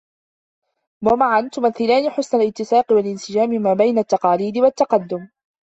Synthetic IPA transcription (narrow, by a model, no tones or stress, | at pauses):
wamaʕant̪ʊmaθːɪlaːnɪħʊsnalɪt̪ːɪsaːqɪwalʔɪnsɪd͡ʒaːmɪmaːbajnat̪ːɑqɑːliːd̪ɪwat̪ːɑqɑd̪ːʊm